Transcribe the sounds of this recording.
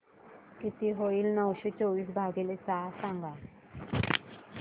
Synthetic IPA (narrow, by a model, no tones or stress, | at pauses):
kit̪iɦoiːlnəwɕet͡soʋiːs̬bʱaɡelet͡sasãŋɡa